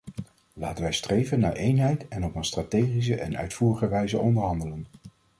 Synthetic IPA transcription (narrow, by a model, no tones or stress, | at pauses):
la̰ːtənʋɛjstrejvənːaːɹʔejnɦɛjtɛnɔpənstratejχis̬əʔɛ̰nœ̰ɥtfuːrəχəʋɛjzəʔɔndəɹɦɑndələn